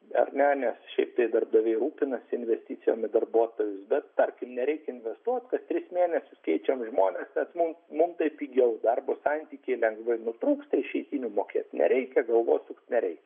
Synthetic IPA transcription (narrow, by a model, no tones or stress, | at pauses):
ɐ̰rnʲɛnʲɛsʃʲɛɪpt̪ɐɪd̪ɐrb̚d̪ɐʋʲɛɪɾuːpʲɪnɐsʲɪnʲʋʲɛsʲt̪ʲit͡s̪ʲɪjo̰ːmɪd̪ɐrbuɔt̪oːʋʲʊsbʲɛt̪t̪ɐrʲkʲɪmnʲɛɾʲɛɪkʲɪnʲʋʲɛst̪uɔt̪ʲkɐst̪ʲɾʲɪsmʲeːnʲɛsʲʊskʲɛɪt͡ʃʲɛmʒmoːnʲɛsnʲɛsmʊmmʊmt̪ɐɪpʲiɡʲɛʊd̪ɐrboːsɑnʲt̪ʲiːkʲeɪlʲɛŋɡʋɐɪnʊt̪ɾuːkst̪ɐɪʃʲɛɪt̪ʲiːnʲʊmoːkʲḛːt̪ʲnʲɛ̰ɾʲɛɪkʲɛɡɐlˠʋoːtʲsʊkt̪nʲɛɾʲɛɪk